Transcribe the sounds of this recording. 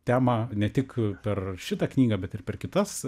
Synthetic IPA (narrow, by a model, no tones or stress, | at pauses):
t̪ʲæːmɐnʲɛt̪ʲɪkpʲɛrʃʲɪt̪ɑknʲiːɡɐːbʲɛt̪ɪrpʲɛrkʲɪt̪ɐs